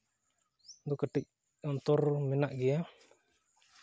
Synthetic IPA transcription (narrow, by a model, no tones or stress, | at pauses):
d̪ɔkəʈic̚ | ɔnt̪ɔɾmɛnaʔɡɛja